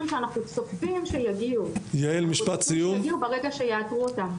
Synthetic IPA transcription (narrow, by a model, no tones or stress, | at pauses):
mʃeanaχnusofbimʃejaɡiujaelmiʃpat̪sijumɡiubeʁe̞ɡaʃe̞jaːtʁuotam